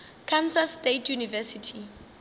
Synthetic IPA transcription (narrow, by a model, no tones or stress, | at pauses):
kʰansastetʰjunivɛsitʰi